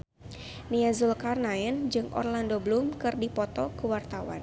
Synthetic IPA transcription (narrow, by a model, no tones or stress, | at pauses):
niazulkarnaɛnd͡ʒɨŋʔɔ̰rlandoblumkɨrdipɔt̪ɔkəwart̪awa̰n